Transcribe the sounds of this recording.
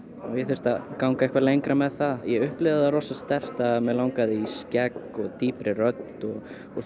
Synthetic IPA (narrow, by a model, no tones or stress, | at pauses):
ɔjɛθɪst̪akawŋkaɛhkvalejŋkɾamɛðθaðjɛʏhplɪːvðɪðaɾrɔːsast̪ɛr̥t̪amɛðlawŋkaðɪiscɛkɔɣt̪iːpɾɪrœt̪ɔɣ